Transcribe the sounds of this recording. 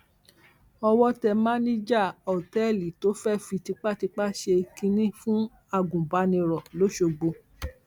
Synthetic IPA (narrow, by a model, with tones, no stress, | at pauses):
ɔ˧wɔ˦tɛ˧mã˦nĩ˦d͡ʒa˦˨ɔ˨tɛ˦˨li˨to˨˦fɛ˦fi˧ti˧k͡pa˦ti˧k͡pa˦ʃe˧kĩ˧nĩ˦fũ˦ | a˧˨ɡũ˨ba˨˦nĩ˧ɾɔ˨lo˨˦ʃo˧ɡ͡bo˧